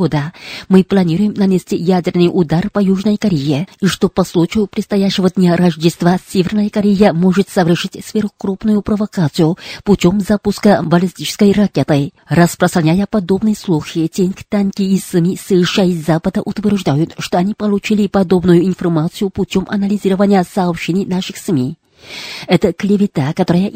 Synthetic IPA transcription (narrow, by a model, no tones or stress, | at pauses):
od̪əmɨplˠɐnʲiɾʊjɪmnɐnʲesʲtʲijædʲɪrnɨjʔud̪arpɐjuʐnəjkɐɾʲejeiʂt̪o̞pɐslˠut͡ɕijʊpɾʲɪt̪st̪ɐjæɕːɪvəd̪nʲaɾɐʐdʲɪst̪vasʲevʲernəjəkɐɾʲejəmoʐɨt̪səvɪrʂɨtʲsvʲeɾʊkɾupnʊjʊpɾəvɐkat̪sɨjʊputʲo̞mzapʊskəbɐlʲisʲtʲit͡ɕɪ̥skəjrɐkʲe̞t̪ɨ | rəspɾəst̪ɾɐnʲajəpɐd̪obnɨjəslˠuxitʲenʲkt̪ankʲiːsmʲisɨʂajizapəd̪əʔʊt̪vʲɪrʐd̪ajʊt̪ʂt̪oɐnʲipɐlˠut͡ɕilʲɪpɐd̪o̞bnujʊɪnfɐrmat̪sɨjʊputʲomʔɐ̰nɐlʲɪzʲiɾəvənʲɪjəsɐːpɕenʲɪjnaʂɨxsmʲi | ɛt̪əklʲɪvʲɪt̪akɐt̪oɾəjə